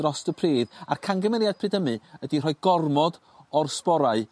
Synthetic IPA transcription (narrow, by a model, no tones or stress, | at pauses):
rɔstəpʰriːða̰rkʰaŋɡəmɛɾjad̚pʰrɨdəmɨədir̥ɔɨɡɔrmɔd | ɔrspɔɾaɨ